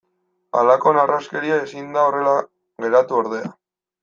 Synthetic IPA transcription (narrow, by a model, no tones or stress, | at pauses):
a̰lako̞naraske̞ɾiaesind̪ao̞re̞la | ɣe̞ɾat̪uoɾðe̞a̰